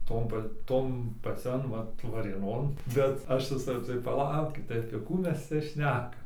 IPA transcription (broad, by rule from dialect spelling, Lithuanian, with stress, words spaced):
ˈtoːn pɐ ˈtoːn pɐˈt͡sʲɛn ˈʋɐt ʋɐrʲeːˈnoːn bʲɛt ˈɐʃ ˈʋʲɪsɐ tɐɪ pɐˈlˠɐʊkʲɪt tɐɪ ɐpʲiɛ ˈkuː ˈmʲɛs ˈt͡sʲɛ ˈʃʲnʲæːkɐm